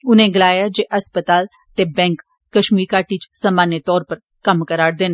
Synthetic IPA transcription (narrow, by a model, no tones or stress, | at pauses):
ʊnẽːɡəlaːjaːd͡ʒeːʔəspət̪aːl | t̪eːbɛ̃ːŋkː | əʃmiːɾkaːʈiːt͡ʃsaːmaːnet̪ɔːɾpəɾ | kəmkəɾaːɽd̪eːne